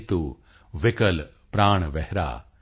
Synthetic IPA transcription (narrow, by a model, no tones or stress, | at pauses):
t̪u | ʋɪkɐl | pɾaːɳ̃ʋɛɦɾa̰ː